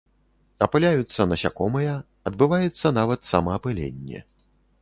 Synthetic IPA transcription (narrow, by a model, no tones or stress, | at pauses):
ɐpɨlʲajut̪sːɐnɐsʲa̰kɔmɐjɐ | ɐd̪bɨvajut̪sːɐn̪avɐt̪samɐːpɨlʲḛnʲːɛ̰